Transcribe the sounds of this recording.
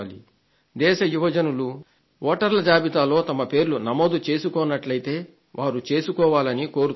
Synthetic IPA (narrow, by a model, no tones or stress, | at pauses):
lḭ | d̪ɛːʃɐjuʋɐd͡ʒɐnulu | ʋɔːʈɐɾlɐd͡ʒaːbit̪aːlo̞ːt̪ɐmɐpe̞ːɾlunɐmo̞ːd̪ut͡ʃe̞ːsukɔːnːɐʈlɐjt̪e̞ː | ʋʔaːɾut͡ʃe̞ːsukɔːʋaːlɐniko̞ːɾu